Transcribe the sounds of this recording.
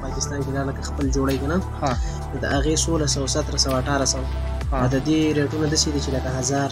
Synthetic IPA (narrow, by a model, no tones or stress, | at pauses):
pɑkɪst̪ɑnkelɑləkaxpəld͡ʒoɽajkana | x | nod̪əʔaɣesolasawsat̪ɾasawaʈɑɾasawa | ad̪əd̪eɾeʈunad̪əsed̪it͡ʃeləkaɦazɑɾ